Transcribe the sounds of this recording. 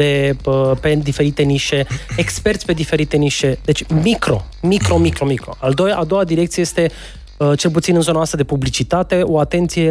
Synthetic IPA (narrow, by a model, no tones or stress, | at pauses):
e̞əpe̞d̪ife̞ɾit̪eniʃe̞ekspe̞rt̪sʲpe̞d̪ife̞ɾit̪e̞niʃe̞d̪e̞t͡ʃʲmikɾo̞̰mikɾo̞mikɾo̞mikɾo̞̰ald̪o̞jaʔad̪o̞wad̪iɾekt̪sieje̞st̪e̞ | ət͡ʃe̞lput̪sinɨnzoanwast̪ɾəd̪e̞publit͡ʃit̪at̪e̞o̞at̪e̞nt̪sije